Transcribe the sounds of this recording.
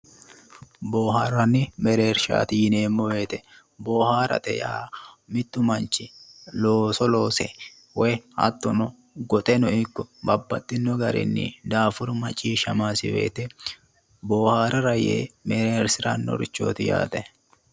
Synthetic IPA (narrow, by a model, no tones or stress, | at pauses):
boːɦaːɾɐnːɪmɛɾeːɾʃa̰ːt̪ɪɪneːmːɔweːt̪ɛ | bo̞ːhaːɾɐ̰t̪ɛ̰jamɪt̪ːʊmɐnt͡ʃːɪloːsɔlo̞ːsɛ̰ | wɛjhɐ̰t̪ːɔnɔ | ɡɔt̪ʼɛnɔɪkːɔbɐbːɐt̪ːɪnːɔɡɐɾɪ̰nːɪ̰d̪aːfʊɾmɐt͡ʃʼːiːʃɐmaːsɪwḛːt̪ɛ | bo̞ːhaːɾɐɾɐjḛːmɛɾeːɾsɪɾɐnːɔ̰ɾɪt͡ʃːo̞̰ːt̪ɪja̰ːt̪ʼɛ